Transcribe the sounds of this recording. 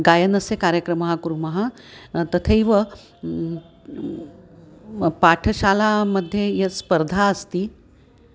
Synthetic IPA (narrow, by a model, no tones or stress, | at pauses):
ɡajənəsekaɾjəkɾəməɦakuɾuməɦat̪ət̪ʰeiʋə | paʈʰəɕalaməd̪ʱːjejespəɾd̪ʱaəst̪iː